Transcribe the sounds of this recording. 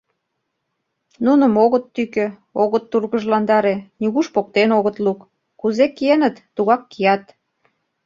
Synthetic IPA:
nunə̆moɣət̪ːykø | oɣə̆t̪ːurɣəʒlɑnd̪ɑɾeniɣuʃpok̚t̪enoɣət̪lukː | uzekienə̆t̪ːuɣɑkːijɑt̪

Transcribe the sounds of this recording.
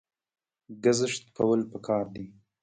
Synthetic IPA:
ɡazɪʂt̪̚kʰawəlpəkʰɑːɾd̪i

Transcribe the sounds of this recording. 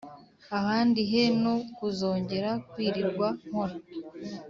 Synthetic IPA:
ahaːndiɦe̞no̞kuzo̞ːɲɟe̞ɾakwiːɾiɾɡwaŋ̥hoɾa

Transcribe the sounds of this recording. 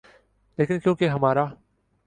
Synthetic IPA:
leːkɪnkjõːkeɦɐmaːɾaː

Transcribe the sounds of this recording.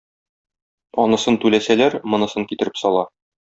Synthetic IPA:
ɒnɤ̆sɤnt̪ʉlæsælæɾmɤ̆nɤ̆sɤŋkit̪ɘ̆ɾɘpsɒlˠɑ

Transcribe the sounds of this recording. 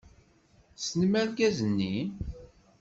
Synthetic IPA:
sənmæɾɡæzənːin

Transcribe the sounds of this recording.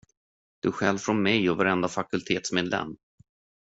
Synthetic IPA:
d̪̥ɵɧɛlvfɾɔnmɛjɔvaɾɛnd̪afakɵlt̪ʰeːt̪smeːd̪lɛ̰mː

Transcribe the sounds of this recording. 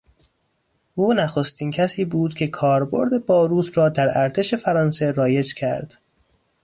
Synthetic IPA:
ʔuːnæxo̞st̪iːncʰæsiːbuːd̪cʰe̞kʰɒːɾbo̞̰ɾd̪e̞bɒːɾuːt̪ʰɾɒːd̪æɾæɾt̪ʰe̞ʃe̞fæɾɒːnse̞ɾɒːje̞d͡ʒcʰæ̰ɾd̪̥

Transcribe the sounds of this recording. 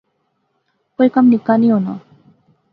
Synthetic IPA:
kojkamnikaniona̰

